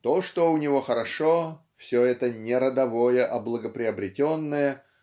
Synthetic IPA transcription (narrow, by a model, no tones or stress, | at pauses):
t̪oʂt̪oʊnʲɪvo̞xəɾɐʂo | fsʲoɛt̪ənʲɪɾəd̪ɐvojəʔɐblˠəɡəpɾʲɪɐbɾʲɪtʲonːəjə